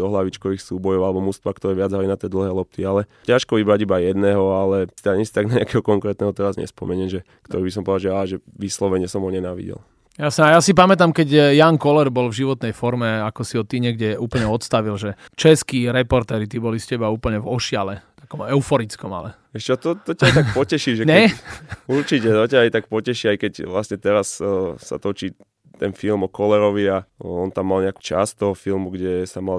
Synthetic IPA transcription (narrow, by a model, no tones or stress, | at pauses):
d̪ɔɦlaʋit͡ʃkɔʋixsuːbɔjɔʊalɛbɔmust̪ʋaːkt̪ɔɾɛːʋɪad͡zɦalinat̪ɛːd̪l̩ɦɛːlɔp̚t̪ialɛcaʃkɔʋibɾaɟibajɛd̪nɛɦɔalɛt̪ɛaɲɛsi̥t̪aɡnaɲɛakɛɦɔkɔŋkɾɛːt̪nɛɦɔt̪ɛɾazɲɛ̰spɔmɛɲɛnʒɛ | kt̪ɔɾiːbisɔmpɔd̪alʒɛaːʒɛʋislɔʋɛɲɪɛsɔmɦɔɲɛnaːʋḭɟɛ̰l | jasɲɛajasip̬amɛt̪̬amkɛɟjaːŋkɔlɛɾbɔlvʒiʋɔt̪nɛjfɔɾmɛakɔsiɦɔt̪iɲɛɡɟɛuːpl̩ɲɛɔt̪st̪aʋilʒɛt͡ʃɛskiɾɛpɔɾt̪ɛːɾit̪ibɔliscɛbauːpl̩ɲɛvɔʃɪalɛt̪akɔmɛʊfɔɾit͡skɔma̰lɛ | ɛʃt͡ʃɔt̪ɔt̪ɔcajt̪ak̚pɔcɛʃiʒɛɲɛ | uɾt͡ʃicɛt̪ɔcaajt̪akpɔcɛʃiːajkɛcʋlasɲɛt̪ɛɾassa̰t̪ɔt͡ʃi | t̪ɛnfilmɔkɔlɛɾɔʋiaɔnt̪amːalɲɛaku̥t͡ʃa̰st̪ɔɦɔfilmuɡɟɛsamal